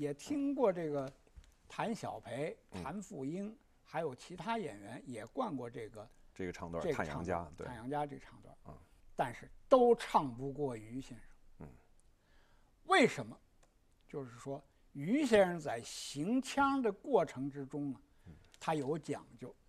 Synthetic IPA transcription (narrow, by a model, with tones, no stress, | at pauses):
jɛ˨˩t̪ʰi˥ŋkwɔ˥˧ʈ͡ʂɤ˥˩ɡə˩ | t̪ʰa˧˥nɕjɑ̰˨˩ʊpʰe˧˥ɪt̪ʰa˧˥nfu˥˩i˥n | xa˧˥ɪjo˨˩ʊt͡ɕʰi˧˥t̪ʰa˥jɛ̰˨˩nɥɛ˧˥njɛ˨˩kwa˥˧nkwɔ˥˧ʈ͡ʂɤ˥˩ɡə˩ʈ͡ʂɡə˩ʈ͡ʂʰɑ˧˥˧ŋt̪ʈ͡ʂjɑ˧˥ŋt͡ɕja̰˦˥t̪a˥˩njɑ˧˥ŋt͡ɕja˥ʈ͡ʂɤ˥˩ɡə˩ʈ͡ʂʰɑ˥˩ŋt̪wa̰˥˩˧t̪a˥˧nʂɻ̩˥˩t̪o˥ʊʈ͡ʂʰɑ˥˧ŋpu˧˥kwɔ˥˩y˧˥ɕjɛ˥˩nʂɤ˧˩ŋ˥ | we˥˩ɪʂə˧˥nmə˧ | t͡ɕjo˥˧ʊʂɻ̩˥˩ʂwɔ˥ | y˧˥ɕjɛ˥˧ʂə˥˧ŋt͡sa˥˩ɪɕi˧˥ŋt͡ɕʰjɑ˥ŋd̪ə˨kwɔ˥˩ʈ͡ʂʰɤ˧˥ŋʈ͡ʂɻ̩˥ʈ͡ʂʊ˥ŋnə˨ | t̪ʰa˥jo˧˥ʊt͡ɕjɑ̰˨˩ŋt͡ɕjo˥˩ʊ